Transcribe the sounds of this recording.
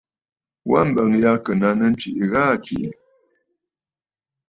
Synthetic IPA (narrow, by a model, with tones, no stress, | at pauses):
wa̰˦m̩˨bə˨ŋja˦kə˨na˨˦nə˦n˦t͡ʃi˨ʔɣa˦t͡ʃḭ˨ʔ